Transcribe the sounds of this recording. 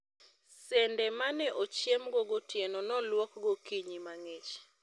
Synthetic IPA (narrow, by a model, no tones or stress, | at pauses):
sɛndɛmanɛʔot͡ʃjemɡoɡotjenonɔlwɔkɡokiɲimaŋet͡ʃ